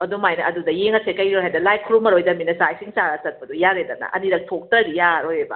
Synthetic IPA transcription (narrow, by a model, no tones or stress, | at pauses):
ɐdumajnɐɐdudɐjeŋɐsʰekɐjniojɦajdɐlajkʰuɾumɐɾojdɐminɐsajsiŋsaɾɐsɐt̚pɐdujaɾedɐnɐ̰ʔɐ̰niɾɐk̚tʰok̚tɐɾijaɾojebɐ̰